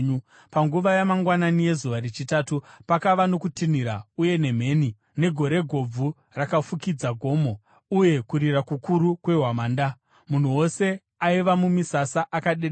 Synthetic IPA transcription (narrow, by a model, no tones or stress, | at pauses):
ɲu | paŋɡuʋajamaŋɡwananije̞zuʋaɾit͡ʃitaːtupakaʋano̞kutin̤iɾauje̞ne̞m̤e̞ːni | ne̞ɡʱo̞ɾe̞ɡʱo̞b͡vu | rakafukid͡zaɡʱo̞mo̞ | uje̞kuɾirakukuɾukwe̞ɦwamaːnda | mun̤uwo̞se̞ | aiʋamumisasaʔakaɗeɗ